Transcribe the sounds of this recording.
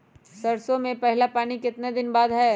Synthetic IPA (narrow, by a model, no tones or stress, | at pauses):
sɐɾsõmẽpɛɦlapaːnikɪt̪ned̪ɪnbaːd̪ɦɛː